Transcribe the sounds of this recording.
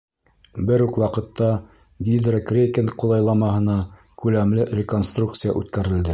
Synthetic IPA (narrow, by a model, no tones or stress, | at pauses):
bɘɾʉkwɑqɤ̆t̪ːɑ | ɡʲid̪rəkrʲekʲenqulˠɑjlˠɑmɑɦɤ̆nɑ | kʉlæmlɘɾʲeko̞nst̪ruk̚t̪sɨja̰ʔʉ̰t̪kæɾɘ̆ld̪ɘ